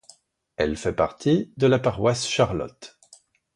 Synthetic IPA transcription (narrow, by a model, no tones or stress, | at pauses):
ɛlfɛpaʁt̪ʰid̪əlapaʁwasʃaʁlɔ̰t̪